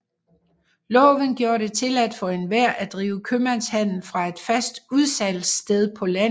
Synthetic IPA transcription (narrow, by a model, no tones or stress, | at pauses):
lɒ̽ːʋənɡ̥jo̝ːɐɾ̥e̝t͡sʰe̝læd̥ˠfɒ̽e̝nʋæɐ̰ʔæd̥ʁḭːʊəkʰømænshæn̰l̩fʁɑ̈e̝d̥fæsd̥uð̞ˠsæl̰sd̥eð̞ˠpʰɒ̽læn̩ˠ